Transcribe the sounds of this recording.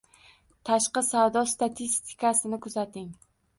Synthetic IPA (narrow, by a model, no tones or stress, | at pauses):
t̪ʰaʃqɑsavd̪ɒst̪at̪ʰist̪ʰɪ̥kʰasɪnɪkʰʊzat̪ʰɪŋ